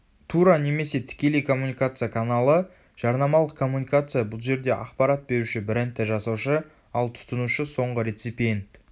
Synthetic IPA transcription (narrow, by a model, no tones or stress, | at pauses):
t̪ʰuɾane̞me̞se̞t̪ʰɪ̥kʲe̞le̞jkʰo̞mːunikat̪sɨjakʰanalˠə | ʒ̥ɑɾnɑmɑlˠəq̚kʰːo̞mːunikat̪sɨjabʊlˠʒe̞ɾd̪e̞ʔɑ̰qpɑɾat̪̚be̞ɾuʃɪbɪɾɪnt̪ːɪʒɑsɑwʃə | ɑlˠt̪ʰʊ̥t̪ənuʃəso̞ɴʁəɾet̪sipʲijent̪